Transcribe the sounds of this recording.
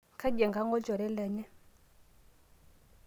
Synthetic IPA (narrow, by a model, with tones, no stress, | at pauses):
kʰa˦ɟɛ˨ŋɡa˦ŋɡɔ˦d͡ʒɔ˨ɾɛ˦lɛ˨ɲɛ˦